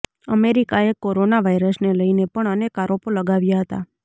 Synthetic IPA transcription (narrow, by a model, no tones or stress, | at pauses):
əmeɾikaekoɾonaʋajɾəsneləinepəɳənekaɾopoləɡaʋjaɦət̪a̰